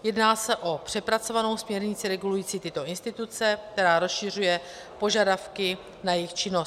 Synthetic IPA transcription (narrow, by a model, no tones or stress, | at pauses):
jɛdnaːsɛʔo̞pr̝̥ɛpɾat͡so̞vano̞wsmɲɛɾɲɪt͡sɪɾɛɡulujiːt͡siːt̪ɪt̪o̞ʔɪnst̪ɪt̪ut͡sɛk̚t̪ɛɾaːɾo̞sʃɪr̝ujɛ | po̞ʒadafkɪ | najɪxt͡ʃɪnos